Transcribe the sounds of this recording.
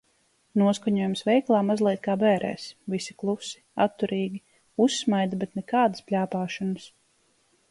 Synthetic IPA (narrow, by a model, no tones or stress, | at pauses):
nuɔskaɲuɔjumsvɛjklˠaːmazlˠʲiɛt̪̚ʲkaːbɛːɾʔɛ̰ːsvisi̥klˠusi̥at̪ːuɾiːɡʲi | usːmajd̪abʲɛt̪nɛkaːd̪ɨspʲlʲaːpaːʃɔnɐs